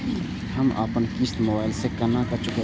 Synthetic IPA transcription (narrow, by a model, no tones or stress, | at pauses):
həma̰ːpənkist̪moːbaːɪlsekɐnãkɐt͡ʃʊke